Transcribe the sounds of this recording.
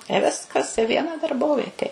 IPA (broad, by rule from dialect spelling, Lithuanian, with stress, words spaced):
ɪ ˈʋʲɪskɐs ɪ ˈʋʲiɛnɐ dɐrˈboːʋʲiɛtʲeː